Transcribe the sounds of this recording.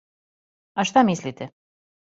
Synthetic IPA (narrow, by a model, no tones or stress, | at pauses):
aʃt̪amislit̪ɛ